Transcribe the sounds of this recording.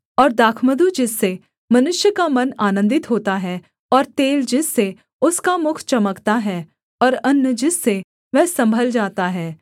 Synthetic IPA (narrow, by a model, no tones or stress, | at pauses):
ɔːɾd̪aːkʰməd̪ud͡ʒɪsːe | mɐnʊʃjəkamɐnaːnə̃nd̪ɪt̪ɦoːt̪aɦɛː | ɔːɾt̪eːld͡ʒɪsːe | ʊskamʊkʰt͡ʃɐməkt̪aɦɛː | ɔːɾɐnːəd͡ʒɪsːe | ʋɛɦsɐ̃mbʱəld͡ʒaːt̪aɦɛː